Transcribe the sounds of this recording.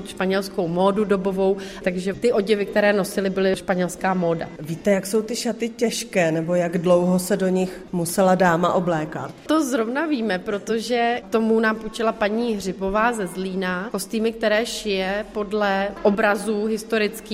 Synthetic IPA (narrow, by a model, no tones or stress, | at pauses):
ʃpaɲɛlskowmoːdudo̞bo̞vo̞wt̪aɡʒɛt̪ɪʔo̞ɟɪvɪk̚t̪ɛɾɛːno̞sɪlɪbɪlɪʃpaɲɛlskaːmo̞ːda̰viːt̪ɛjakso̞wt̪ɪʃat̪ɪcɛʃkɛːnɛbo̞jaɡdlowɦosɛdoɲɪxmusɛladaːmaʔoblɛːka̰t̪̚t̪ozɾovnaviːmɛpɾo̞t̪oʒɛt̪o̞munaːmput͡ʃɪlapaɲiːɦrɪbo̞vaːzɛzliːnako̞st̪iːmɪk̚t̪ɛɾɛːʃɪjɛpo̞dlɛʔobɾazuɦɪst̪o̞ɾɪt͡skiː